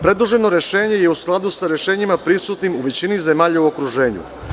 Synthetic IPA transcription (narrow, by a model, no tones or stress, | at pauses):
pɾe̞d̪luʒe̞no̞ɾe̞ʃe̞ːɲe̞jeusklˠad̪usaɾe̞ʃe̞ːɲimapɾisut̪nimuʋet͡ɕinizemaːʎauo̞kɾuʒe̞ːɲṵ